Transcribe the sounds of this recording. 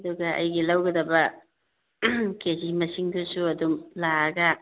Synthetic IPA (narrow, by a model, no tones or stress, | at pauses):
ɐduɡɐʔɐ̰jɡilɐwɡɐdɐbɐ | kezimɐsiŋdusuɐdumlaɐɡɐ